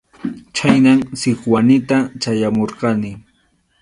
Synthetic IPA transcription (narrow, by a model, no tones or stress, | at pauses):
t͡ʃajnamsɪkwanɪt̪at͡ʃajamoɾqɑnɪ